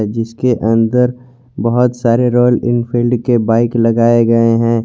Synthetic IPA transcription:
d͡ʒɪskeʔɐ̃nd̪əɾ | bɐɦʊt̪saːɾeɾoːlɪ̰nfʰɪlɖkebaːɪklɐɡaːeɡɐeɦɛ̃ː

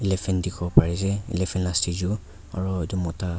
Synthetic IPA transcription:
ilɛpʰɛndikʰɔbɔpaɹizɛḭlɛpʰɛnlastʰizu | a̰ɹɔdɔmɔta

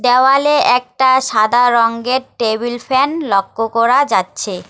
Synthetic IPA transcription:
d̪ɛoaleɛk̚ʈaʃad̪ʱaɾɔŋɡeɾʈebulfɛnlɔkːokɔɾad͡ʑatːɕʰe

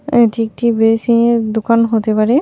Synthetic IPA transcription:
etʰik̚ʈibesined̪ukanɦot̪epaɹe

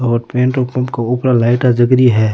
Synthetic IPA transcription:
ɔːɾpẽːɳʈopɐ̃mpkaʊːpɾalaːɪʈad͡ʒɐɡɾiɦɛː

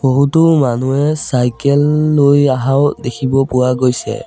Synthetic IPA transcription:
b̥oɦutʊmanuɛsajkɛlːojaɦaʊdekʰibɔpʊwaɡojsɛ̰

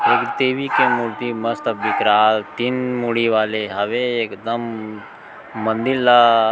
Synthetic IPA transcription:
eːkt̪eːʋikemuɾt̪imɐst̪bikɾaːlt̪inmuɽiʋaːleɦɐʋeeːkd̪ɐm | ɐ̃nd̪iɾla

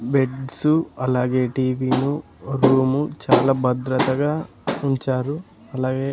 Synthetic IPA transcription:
beɖsuɐlaːɡe̞ːʈiːʋiːnu | ɾuːmut͡ʃaːlaːbɐd̪ɾɐt̪ɐɡaː | uɲt͡ʃaːɾu | ɐlaːɡe̞ː

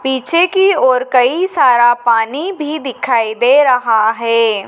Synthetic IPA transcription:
piːt͡ʃʰekiɔːɾkɐisaːɾapaːnibʱid̪ɪkʰaːid̪eːɾɐɦaɦɛː

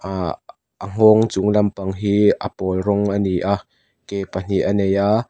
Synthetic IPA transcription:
a | ʔəŋ̥ɔŋt͡suŋlɐmpɐŋɦiːʔə̰pɔːlrɔŋʔəniʔaʔ | kepan̥iʔɐnɛjʔa

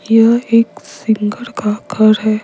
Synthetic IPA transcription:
jəeksiŋɡəɭkakʰəɾɦɛ

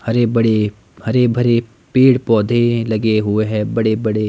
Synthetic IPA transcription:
hɐɾebɐɽe | hɐɾebʱɐɾe | piːɽpɔːd̪ʱelɐɡeɦʊeɦɛːbɐɽebɐɽe

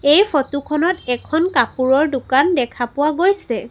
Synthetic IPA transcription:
ejpʰotukʰɔnɔtɛkʰɔnkapuɹɔɹdʊkandɛkʰapʊwaɡojsɛ

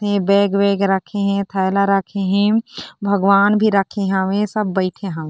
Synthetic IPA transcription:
ɦẽbɛːɡʋeːɡɾəkʰeɦɛ̃t̪ʰəjlaɾəkʰeɦɛ̃bʱəɡʋaːnbʱiɾəkʰẽɦəʋẽsɐbːəɪʈʰẽɦə̃ʋẽ

